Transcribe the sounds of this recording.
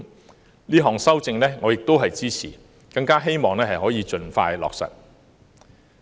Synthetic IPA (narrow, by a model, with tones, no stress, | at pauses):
liː˥ɦɔː˨ŋsɐ˥wt͡sɪ˧ŋlɛː˥ŋɔː˨˧jɪ˨k̚t̪o˥wɦɐ˨jt͡siː˥t͡sʰiː˨˩ | kɐ˧ŋkaː˥ɦe˥jmɔː˨ŋlɛː˥ɦɐ˨jɦɔː˨˥jiː˨˧t͡ʃɵ˧nfa̰ː˧jlɔ̰ː˨k̚sɐ̰˨˩t̚